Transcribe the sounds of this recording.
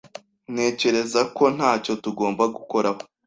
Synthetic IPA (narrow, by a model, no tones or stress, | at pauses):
ne̞ːce̞ɾe̞zako̞n̥haːco̞tuɡo̞ːmbaɡuko̞ɾaho